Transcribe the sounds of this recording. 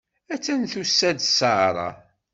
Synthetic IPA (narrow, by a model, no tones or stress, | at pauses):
æt͡sːænθusːæd̪səʕɾˤɑ̰